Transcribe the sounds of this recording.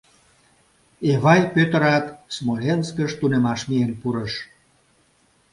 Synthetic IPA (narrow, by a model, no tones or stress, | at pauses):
eβɑjpøt̪ə̆ɾɑt̪smolʲenskəʃt̪unemɑʃmienpuɾəʃ